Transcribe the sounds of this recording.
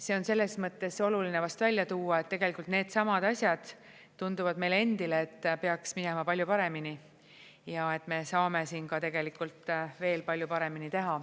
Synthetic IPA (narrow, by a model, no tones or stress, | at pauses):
se̞o̞nse̞lːe̞smɤt̪ːˑe̞so̞lulinevɑst̪vælʲjɑt̪uːɑet̪ːe̞ɡ̥e̞likːˑult̪ne̞ːd̪̥sɑmɑd̪̥ɑsʲjɑd̪̥ː | und̪uvɑd̪me̞jle̞nd̪ileːt̪ːpe̞ɑksmine̞mɑpɑlʲjupɑɾe̞mini | jɑe̞t̪ːˑme̞sɑːme̞siːnkɑt̪e̞ɡe̞likˑult̪ˑve̞ːlpɑlʲjupɑɾe̞minit̪e̞ɦɑ